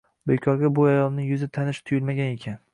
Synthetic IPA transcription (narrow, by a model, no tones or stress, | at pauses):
bejkʲʰɒɾɡʲabʊajɒlˠnɪjʊzɪt̪ʰanɪʃt̪ʰʊjɪlˠmaɡʲane̞kʲʰan